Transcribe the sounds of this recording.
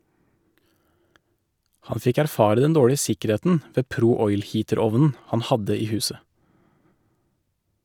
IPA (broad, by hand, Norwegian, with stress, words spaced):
ˈhɑn ˈfɪk æɾˈfɑːɾə ˈdɛn ˈdoːɽɪə ˈsɪkəˌɾeːtn̩ ˈʋeː ˈpɾuː ˈɔʏl ˈhiːtəˌɾɔʋnn̩ ˈhɑn ˈhɑdə ˈiː ˈhʉːsə